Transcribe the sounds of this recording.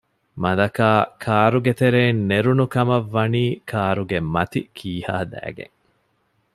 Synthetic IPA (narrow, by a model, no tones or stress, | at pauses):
mɐd̪ɐkaːkʰaːɾuɡet̪eɾeːnːeɾunukɐmɐʋːɐniːkʰaːɾuɡemɐt̪ikʰiːha̰ːd̪æ̰ːɡḛŋ